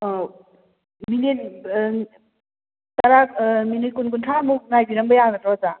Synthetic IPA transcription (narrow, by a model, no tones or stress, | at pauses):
minet | taɾakminɯjkunkuntʰamuk̚najbiɾambəjanatɾɔza